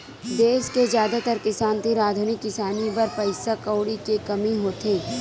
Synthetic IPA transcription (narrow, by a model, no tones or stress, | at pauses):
d̪eːskezjaːd̪at̪ɐɾkɪsaːnt̪eɾaːd̪ʱunɪkːɪsaːnibɐɾpɐɪsakɐːɽikekɐmiɦoːt̪ʰeː